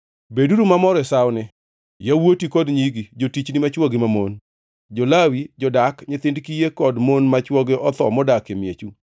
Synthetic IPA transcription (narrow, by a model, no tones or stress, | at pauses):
beduɾumamɔɾɛsawnɪ | jawotikɔdɲiɡid͡ʒotit͡ʃnɪmat͡ʃwɔɡɪmamon | d͡ʒɔlawid͡ʒɔdakɲɪt̪ɪndkijekɔdmonmat͡ʃwɔɡeʔɔt̪ɔmɔdakemjet͡ʃu